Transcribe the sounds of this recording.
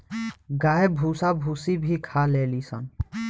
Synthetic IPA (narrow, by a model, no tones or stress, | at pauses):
ɡaːebʱuːsabʱuːsibʱikʰaleːlisə̰n